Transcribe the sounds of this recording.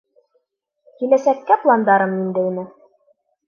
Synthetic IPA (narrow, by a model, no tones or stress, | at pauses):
kilæsækːæplˠɑnd̪ɑɾɤmind̪ɘinɘ